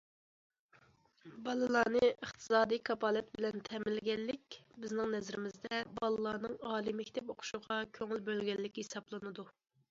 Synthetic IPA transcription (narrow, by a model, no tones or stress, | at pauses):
bɑlˠɨlˠɑːnɨʔəχt̪ʰɨ̥sɑːd̪ijkʰɑpɑːlˠɛt̪̚bɪlɛnt̪ʰɛmɪlɡʲɛlːɪkʲbɪznɪŋnɛzɾɪmɪzd̪ɛbɑlˠɨlˠɑːnɨŋɑːlˠimɛkʲʰt̪ʰɛpoqʰʊ̥ʃuʁɑkʲʰøŋɪlbølɡʲɛlːɪkʲhesɑblˠɨnɨd̪u